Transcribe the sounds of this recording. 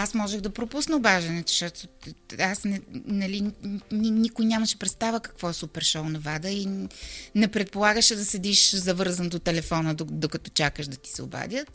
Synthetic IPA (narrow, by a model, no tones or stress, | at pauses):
asmɔʒɛɣd̪ɐpɾopusnəbaʒɐnɛt̪ʊ̥ʃt̪ɔt̪oasnɛnɐlininikojnʲaməʃɛ̥pɾɛt̪st̪avəkɐ̥kvɔɛsupɛɾʃɔwnɐvad̪əi | nɛpɾɛt̪̚polˠaɡəʃɛd̪ɐsɛd̪iʃzɐvɤɾzənd̪ot̪ɛlɛfɔnəod̪okɐt̪ɔ̥t͡ʃakəʃd̪ɐt̪i̥sɛʊ̰ba̰d̪ʲjət̪